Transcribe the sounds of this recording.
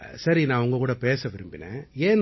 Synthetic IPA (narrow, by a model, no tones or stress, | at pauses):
sɐɾinãːʊŋɡɐkuːɽɐpeːsɐʋɪɾɯmbɪnḛ̃ːeːn